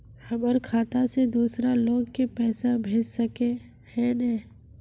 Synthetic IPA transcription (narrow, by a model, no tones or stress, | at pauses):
hɐməɾkʰaːt̪ased̪uːsɾaloːɡkepɛːsabʱeːd͡ʒsɐke | hɛnɛː